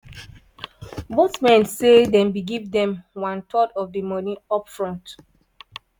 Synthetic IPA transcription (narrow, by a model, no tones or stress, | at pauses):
boθmɛ̃nsedɛ̃mbiɡivdɛ̃mwãntʰɔdɔvdəmɔnĩɔpfɹɔ̃nt